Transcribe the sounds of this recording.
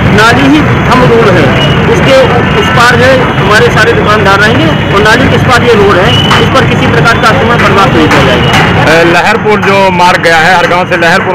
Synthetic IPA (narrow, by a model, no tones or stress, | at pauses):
naːliɦi | t̪ʰɐmd̪uːɾɦɛ | ʊske | ʊspaːɾɦɛ | ɦɐmaːɾesaːɾed̪ʊkaːnd̪aːɾːɐɦẽŋɡe | ɔːɾnaːliɪspaːɾjeɾoːɽɦɛ̃ | ʊspəɾkɪsipɾəkaːɾkasɐmə̃pəɾbaːsnəɦĩpɐd͡ʒaːeɡa | lɛɦəɾpʊɾd͡ʒoːmaːɾɡɐjaɦɛɦɐɾɡãːselɛɦəɾpʊɾ